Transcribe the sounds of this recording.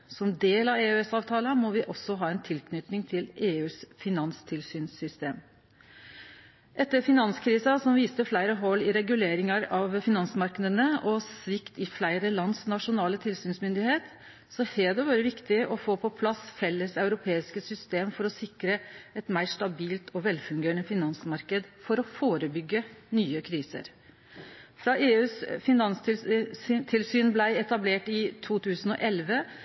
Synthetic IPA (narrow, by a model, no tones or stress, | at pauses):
sɔmd̪eːlɑʋeːøɛsɑːʋt̪ʰɑːlɑmɔʋɪʔɔsːɔɦɑːɛnt̪ʰɪlkʰnʏt̪nɪŋt̪ʰɪleːʉːsfɪnɑnst̪ʰɪlsyːnsʏst̪eːm | ʔɛt̪ːəɾfɪnɑnskʰɾiːsɑsɔmʋiːst̪əflæɪɾəɦɔlːɪɾɛɡʉleːɾɪŋɑɾɑʋfɪnɑnsmɑɾknəd̪ənəɔsʋɪkt̪ɪflæɪɾəlɑnd̪snɑʂʊnɑːlət̪ʰɪlsyːnsmʏnd̪ɪheːt̪ | sɔhɛːd̪ɛʋɑːɾəʋɪkt̪ɪʔɔfoːpʰɔpʰlɑsfɛlːəsɑʉɾʊpʰeːɪskəsʏst̪eːmfɔɾɔsɪkɾəɛt̪mæɪʂʈɑbiːlt̪ʰɔʋɛlfʉŋɡeːɳəfɪnɑnsmɑɾkəd̪fɔɾɔfoːɾəbʏɡːənyːəkʰɾiːsə̰ɾ | fɾɑʔeːʉːsfɪnɑns | t̪ʰɪlsyːnblæɪɛt̪ɑbleːʈɪt̪ʰuːt̪ʰʉːsənɔʔɛlʋə